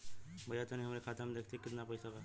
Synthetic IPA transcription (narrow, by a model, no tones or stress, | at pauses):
bəjat̪əniɦəmɾekʰat̪əmd̪ekʰt̪ekit̪napəjsaka